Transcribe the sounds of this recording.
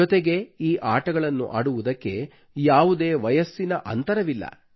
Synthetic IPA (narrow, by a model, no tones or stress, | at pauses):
ɔt̪eɡe̞iːʔaːʈɐɡɐɭɐnːṵʔa̰ːɽuʋud̪ɐkːe̞ | jaːʋud̪eːʋɐjɐsːinɐʔɐ̰nt̪ɐɾɐʋilːɐ̰